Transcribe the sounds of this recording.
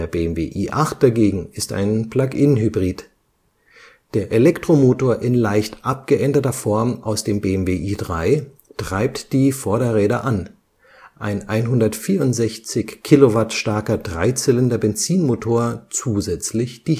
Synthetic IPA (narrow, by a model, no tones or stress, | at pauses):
ɐbeːɛmvḛːʔiːʔaχt̚d̥aɡeːɡŋ̩ɪsta̰ɪnpl̥akɪnɦybʁiːt | d̥eːɐʔelɛktʁ̥omoːtoːɐʔɪnlaɪçtʔap̚ɡ̥əʔɛndɐtɐfɔɐmʔa̰ʊsd̥eːmbeːɛmveːʔiːdʁaɪ | tʁ̥aɪp̚td̥iːfɔɐɾdɐʁɛːɾaʔan | ʔaɪnʔaɪnɦʊndɐtfiːɐʊntz̥ɛçt͡sɪçkʰːilovatʃtaɐkɐdʁaɪt͡sɪləndɐbɛnt͡siːnmotʰoːɐt͡suːzɛt͡slɪçd̥i